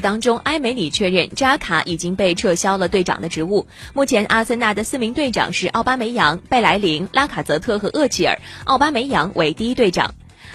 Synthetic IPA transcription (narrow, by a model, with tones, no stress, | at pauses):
t̪ɑ˥ŋʈ͡ʂʊ˥ŋʔa˥ɪme˧˥ɪli˨˩t͡ɕʰɥɛ˥˧ɻə˥˩nʈ͡ʂa˥kʰa̰˧˥ʔi˨˩t͡ɕi˥ŋpe˥˧ɪʈ͡ʂʰɤ˥˩ɕjɑ˥ʊlə˨t̪we˥˩ɪʈ͡ʂɑ̰˨˩ŋd̪ə˦ʈ͡ʂɻ̩˧˥u˥˩ | mu˥˩t͡ɕʰjɛ˧˥nʔa̰˥˩˧sə˥˧na˥˩d̪ə˩sɹ̩˥˩mi˧˥ŋt̪we˥˩ɪʈ͡ʂɑ̰˨˩˦ŋʂɻ̩˥˧ʔɑ˥˩ʊpa˥me˧˥ɪjɑ˧˥ŋpe˥˩ɪla˧˥ɪli˧˥ŋlʔa˥kʰa˨˩t͡sɤ˧˥t̪ʰɤ˥˩xɤ˧˥ʔɤ˥˧t͡ɕʰi˥˩ə̰˞˨˩˦ʔɑ˥˩ʊpa˥me˧˥ɪjɑ˧˥ŋwe˧˥ɪt̪i˥˧i˥t̪we˥˩ɪʈ͡ʂɑ̰˨˩˦ŋ